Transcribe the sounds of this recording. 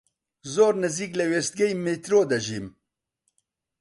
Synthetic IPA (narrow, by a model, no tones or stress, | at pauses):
zoːɾnɨziːklɛweːst̪̚ɡɛjmet̪ɾoːd̪ɐʒim